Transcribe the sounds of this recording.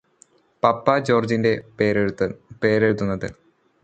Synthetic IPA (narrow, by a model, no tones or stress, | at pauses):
pɐpːɐd͡ʑo̞ːrd͡ʑinde̞eɾpeːɾeɻut̪̬ːunːɐðɨ